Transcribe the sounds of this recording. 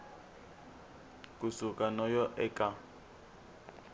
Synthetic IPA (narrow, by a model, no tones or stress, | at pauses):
kʼusukʼanɔjɔʔɛkʼa